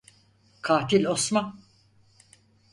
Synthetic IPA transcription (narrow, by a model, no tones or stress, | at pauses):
kʰaːt̪ilʲosman